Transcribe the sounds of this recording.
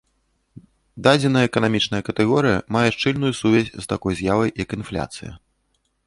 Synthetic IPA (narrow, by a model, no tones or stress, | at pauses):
d̪ad͡zʲɛnɐjɐɛkɐnamʲit͡ʂnɐjɐkɐt̪ɛɣɔɾɨjɐ̰majɛʂt͡ʂɨlʲnujusuvʲasʲst̪akɔjzʲjavɐjjɐkinflʲa̰t̪sɨjɐ̰